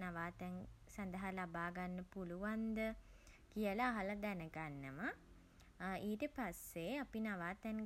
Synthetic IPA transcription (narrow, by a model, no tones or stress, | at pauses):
naʋaːt̪ɛnsand̪əɦalabaːɡanːəpuluʋand̪ə | kijəlaːɦalɐd̪ɛnəɡanːəma | iːʈəpasːeapinaʋaːt̪ɛŋ